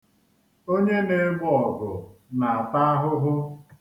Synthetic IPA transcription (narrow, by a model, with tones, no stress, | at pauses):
o˦ɲe˦ne˨˦ɡ͡bʊ˦ɔ˨ɡʊ˨na˨a˨ta˦a˦ɦʊ˦ɦʊ˦